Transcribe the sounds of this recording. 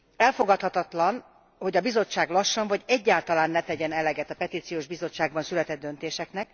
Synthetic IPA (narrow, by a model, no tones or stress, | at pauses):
ɛlfo̞ɡɒt̪hɒt̪ɒt̪lɒn | ho̞ɟɒbizo̞t͡ʃːaːɡlɒʃːɒnvɒɟɛɟːaːlt̪ɒlaːnːɛt̪ɛɟɛnɛlɛɡɛt̪ɒpɛt̪iːt̪sijoːʒbizo̞t͡ʃːaːɡ̚bɒnsylɛt̪ɛd̪ːøn̪t̪eːʃɛknɛk̚